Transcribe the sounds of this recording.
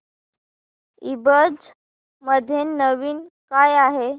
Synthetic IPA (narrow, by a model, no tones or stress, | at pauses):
ibəd͡z | məd̪ʱːjenːəʋiːnkajaɦe